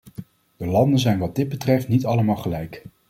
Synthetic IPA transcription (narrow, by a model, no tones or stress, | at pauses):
dəlɑndənzɛjnʋɑd̚dɪd̚bətrɛftnitɑləmɑːlˠχəlɛjk